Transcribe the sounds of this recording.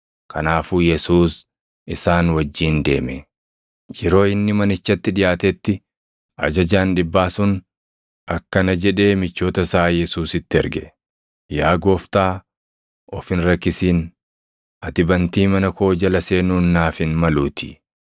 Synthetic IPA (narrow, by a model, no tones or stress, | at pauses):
kʰɐnaːfuːjɛsuːs | ʔɪsaːnwɐd͡ʒːiːnd̪e̞̰ːmɛ | d͡ʒɛɾo̞ːɪnːɪmɐnɪt͡ʃːɐt̪ːɪᶑɪjaːt̪ɛt̪ːɪ | ʔɐ̰d͡ʒɐd͡ʒaːnᶑɪbːaːsʊn | ʔɐkːɐnɐd͡ʒɛᶑe̞ːmɪt͡ʃːo̞ːt̪ɐsaːjɛsuːsɪt̪ːɪɛɾɡɛ | jaːɡo̞ːft̪aː | ɔfɪnɾɐkːɪsiːn | ʔɐt̪ɪbɐnt̪iːmɐnɐko̞ːd͡ʒɐlɐseːnuːnːaːfɪnmɐluːt̪ʰɪ̥